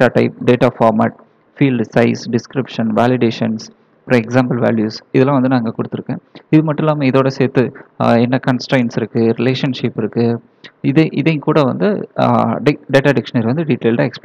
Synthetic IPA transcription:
aːʈɐɪp̚ɖeːʈaːfaːɾma̰ːʈ̚ | fiːlɖsɐɪsɖɪskɾɪpʂɐnʋaːlɪɽeːʂɐns | pɾɐɛksaːmpɐlʋa̰ːljuːsɪðɛlːãːʋɐnd̪ɯnaːŋɡɐkʊɽɯt̪ːɯɾɯkːḛ̃ːɪðɯmɐʈːʊ̃laːmɐɪðoːɽɐseːɾt̪ːɯɛnːɐkɐnsʈɾɐɪnsɪɾɯkːɯɾɪleːʂɐnʂɪpɪɾɯkːɯ | ɪðeʔɪðeŋkuːɽɐʋɐ̰nd̪ɯ | ɖɪɖeːʈaːɖɪkʂɐnɐɾʋɐnd̪ɯɖɪʈːeːlɖaːɛksp

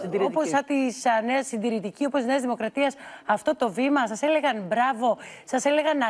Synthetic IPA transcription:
oposɐt̪isneɐsːind̪iɾit̪icio̞post̪izneɐzðimo̞kɾɐt̪iɐsɐft̪o̞t̪o̞vimɐsɐsele̞ɣɐnbɾɐvo̞sɐsele̞ɣɐnɐ

